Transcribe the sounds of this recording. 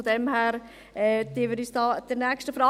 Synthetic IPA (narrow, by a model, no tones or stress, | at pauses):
ɔdɛmɦæːɾ | ɛːd̪̥iːʋɪɾyːsd̥ɑːd̥ənɛkʃtəfɾɑː